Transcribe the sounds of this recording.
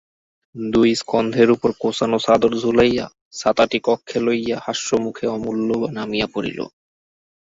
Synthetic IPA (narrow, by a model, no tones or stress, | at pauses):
d̪ujskɔnd̪ʱeɾupoɾkosanosad̪oɾzʱulaja̰ | sat̪aʈikɔkʰːelojahaʃːomukʰeɔmulːobanamijapoɾḭlo̰